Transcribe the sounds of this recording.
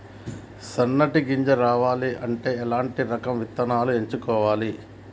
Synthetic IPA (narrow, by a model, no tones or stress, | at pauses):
sɐnːɐʈiɡiɲd͡ʒɐɾaːʋaːliʔɐɳʈe̞ːɛlaːɳʈiɾɐkɐmʋit̪ːɐnaːlueɲt͡ʃukɔːʋaːli